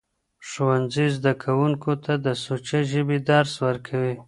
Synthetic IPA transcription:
ʂowanzizd̪akʰawuŋkot̪ʰad̪əsot͡ʃaʒəbid̪aɾswəɾkʰawi

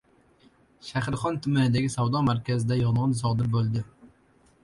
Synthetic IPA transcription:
ʃahɪɾχɒnt̪ʰʊmanɪd̪aɡʲɪsawd̪ɒmaɾkʲʰazɪd̪ajɒnʁɨnzɒd̪ɪɾbolˠd̪ɪ

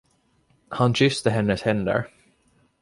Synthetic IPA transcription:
hanɕʏst̪əɦɛnːəshɛnd̪ə̰ɾ

